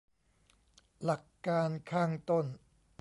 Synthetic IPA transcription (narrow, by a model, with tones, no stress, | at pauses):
la˨˩kːaː˧nkʰaː˥˩ŋt̪o˥˩n